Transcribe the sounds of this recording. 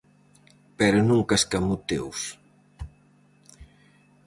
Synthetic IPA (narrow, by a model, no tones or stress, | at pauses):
pɛɾʊnũŋkaskamut̪ḛws